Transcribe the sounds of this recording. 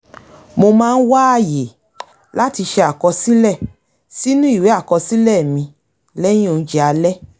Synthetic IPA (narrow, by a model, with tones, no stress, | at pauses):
mo˧mãː˦˧n̩˦wa˦a˦˨je˨ | la˦ti˧ʃɛ˧a˨kɔ˧si˦lɛ˦˨ | si˦nũ˦i˦˨we˨˦a˦˨kɔ˧si˦lɛ˦˨mĩ˧ | lɛ̃˦o˨˧˦d͡ʒi˦a˧lɛ˦